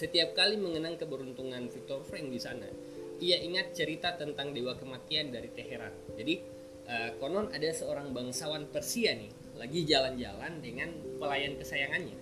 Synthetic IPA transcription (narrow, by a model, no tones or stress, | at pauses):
sət̪iap̚kaliməŋənaŋkəbəɾunt̪uŋanfik̚t̪ɔrfɾɛŋdisana̰ | iaʔiŋat̪̚t͡ʃəɾit̪at̪ənt̪aŋdewakəmat̪iandaɾit̪eɦeɾa̰nd͡ʒadi | ʔəkonɔnadasəoɾaŋbaŋsawanpərsiani | laɡid͡ʒaland͡ʒa̰landəŋanpəlajankəsajaŋanɲa̰